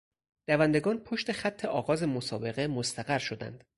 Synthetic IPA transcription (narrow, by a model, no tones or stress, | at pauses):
d̪̥ævænd̪e̞ɡɒːnpʰo̞ʃt̪e̞χæt̪ʰːe̞ʔɒːɣɒːze̞mosɒːbe̞ɣemo̞st̪ʰæɣæɾʃo̞d̪æ̰nd̪̥